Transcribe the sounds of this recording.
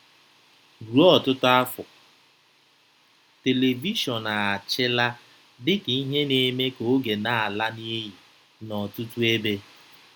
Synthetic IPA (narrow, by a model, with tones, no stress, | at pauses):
ɡu˨ɔ˦˨tʊ˦tʊ˦a˦fʊ˨ | te˨le˨vi˦ʃɔ˨na˨a˨t͡ʃɪ˦la˦ | dɪ˦ki˨i˦ɦe˦ne˦me˦ko˨˦ɡe˨na˦˨a˨la˦ni˦ɦi˨ | nɔ˨tu˦tu˦e˦be˦